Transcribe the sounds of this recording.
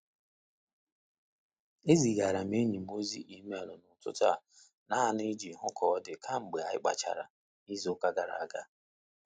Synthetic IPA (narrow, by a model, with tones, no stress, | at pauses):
e˦zi˨ɡa˨ɾa˨m˦e˦ɲi˨m̩˦o˦zi˦ʔi˨˦me˦˨lʊ˨nʊ˨tʊ̰˦ta̰˦˨ | na˦a˨ne˦d͡ʒi˨ɦʊ˦kʰɔ˨ɔ˦dɪ˨kʰa˦ŋ͡m̩˨ɡ͡be˨a˨˦ɪ̰˦k͡pa̰˨t͡ʃa̰˨ɾa̰˨ | i˦zi˨ʊ˦ka˦ɡa˨ɾa̰˨a˨ɡa̰˦